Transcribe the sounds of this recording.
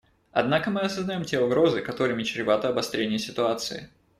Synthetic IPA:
ɐ̰d̪nakəmɨɐsəznɐjo̞mtʲeʊɡɾo̞zɨkɐt̪o̞ɾɨmʲɪt͡ɕɾʲɪvat̪əɐbɐst̪ɾʲenʲɪjəsʲɪt̪ʊat̪sɨɪ̰

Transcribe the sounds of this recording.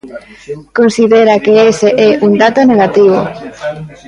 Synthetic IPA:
konsiðeɾakeeseʔɛʔund̪at̪oneɣat̪iβo̰

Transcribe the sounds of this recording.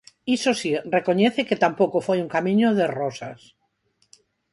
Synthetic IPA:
isosirekoɲeθeket̪ampokofejuŋkamĩɲoðerosas

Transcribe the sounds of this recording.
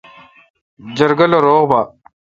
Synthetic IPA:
d͡ʑɐɾɡɐloɾoːɣba

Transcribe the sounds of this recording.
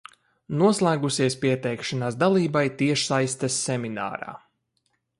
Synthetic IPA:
nuɔslˠæːɡusiɛspiɛt̪ɛjkʃanaːsd̪alˠiːbajt̪iɛʃsajst̪asːɛmʲina̰ːɾa̰ː

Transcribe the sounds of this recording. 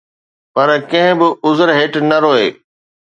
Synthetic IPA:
pɐɾkɐ̃ɦɪ̃bɪʔʊzəɾɦeːʈnɐɾoːeː

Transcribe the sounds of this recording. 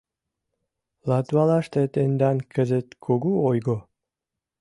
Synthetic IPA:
lɑt̪wɑlɑʃt̪et̪end̪ɑnkə̆zət̪kʰoɡuojɣo

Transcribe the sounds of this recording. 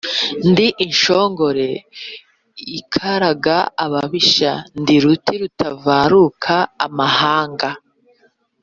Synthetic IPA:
ndiʔinʃoːŋɡo̞ɾe̞ | ikʰaɾaɡaaβaβiʃa̰ndiɾutʰiɾutʰavaːɾukʰa̰ːmahaːŋɡa

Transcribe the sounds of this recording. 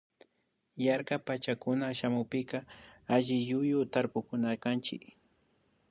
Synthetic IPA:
jaɾkapat͡ʃakʊnaʃamʊpɪkɑaʒɪʎʊjʊt̪aɾpʊkʊnakant͡ʃɪ̰k

